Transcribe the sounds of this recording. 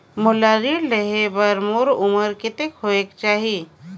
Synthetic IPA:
molaːɾiləɦebəɾmoɾʊməɾkɪt̪ekhoekt͡ʃaːɦi

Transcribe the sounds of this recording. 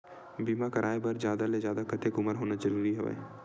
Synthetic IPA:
biːmakɐɾʔaːebəɾd͡ʒjaːd̪aled͡ʒjaːd̪akət̪ekʊməɾɦoːnad͡ʒəɾuːɾiɦɛʋa̰

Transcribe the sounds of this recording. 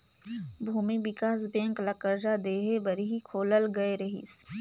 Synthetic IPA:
bʱuːmibɪkaːs̬d̪ẽːŋklɐkəɾd͡ʒad̪eːɦebɐɾiɦikʰoːləlɡɐeɾɐɦḭːs

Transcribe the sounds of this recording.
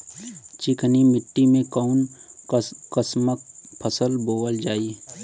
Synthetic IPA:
t͡ʃɪkʰnimɪʈːimẽkaʊn | kəsmək̚pʰəsəlboːʋəld͡ʒaːiː

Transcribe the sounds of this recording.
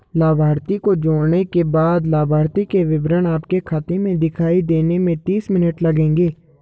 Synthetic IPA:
laːbʱaːɾt̪ikod͡ʒoːɽnekebaːd̪laːbʱaːɾt̪ikeʋɪbɾəɳaːp̚kekʰat̪emẽd̪ɪkʰaːid̪eːnemẽt̪iːsmɪnəʈləɡẽːŋɡeː

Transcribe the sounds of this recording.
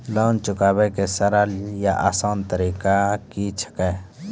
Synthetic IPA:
ləwnt͡ʃʊkaːbekesəɾaljaʔasaːnt̪əɾiːkakit͡ʃʰə̥kaj

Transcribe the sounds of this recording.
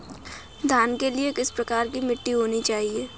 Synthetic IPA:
d̪ʱaːnkeliekɪspɾɐkaːɾkimɪʈːiɦoːnit͡ʃaːɦieː

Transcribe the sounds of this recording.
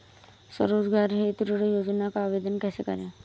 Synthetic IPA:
sɐ̰ɾoːd͡ʒɡaːɾɦet̪uɾuɾojoːd͡ʒnakaːʋeːd̪ənkɛːsekɐ̰ɾẽː

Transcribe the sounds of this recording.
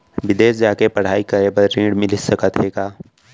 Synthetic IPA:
ʋɪd̪eːsd͡ʒaːkepɐɽ̤aːikəɾeːbəɾːĩːɽmɪlɪsəkət̪ɦeːɡaː

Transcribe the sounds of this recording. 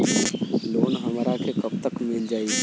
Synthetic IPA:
loːnɦəmɾakʰekəb̚t̪əkmɪld͡ʒaːi

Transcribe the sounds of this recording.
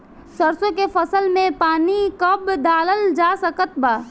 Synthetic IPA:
səɾsõkefəsəlmẽpaːnikəbd̪aːləld͡ʒaːsəkət̪baː

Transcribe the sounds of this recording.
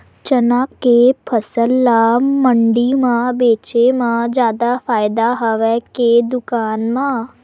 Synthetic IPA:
t͡ʃənakːepʰəsəlːaməɳɖimãbeːt͡ʃemãd͡ʒjaːd̪afaːjd̪aɦəʋɛked̪ʊkaːnmã

